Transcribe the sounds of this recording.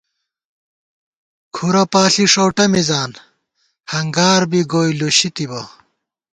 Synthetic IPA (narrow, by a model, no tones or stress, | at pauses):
kʰuɾɐpaːɬiʂowʈɐmizaːn | hɐŋɡaːɾbiɡoːjluɕit̪ibɐ